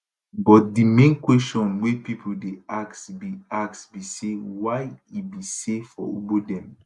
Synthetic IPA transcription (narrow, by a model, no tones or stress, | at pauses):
bɔt̚dimẽnkwɛstɔ̃nwepipʰudeaktbiak̚sbisewaɪibisefɔobodɛ̃m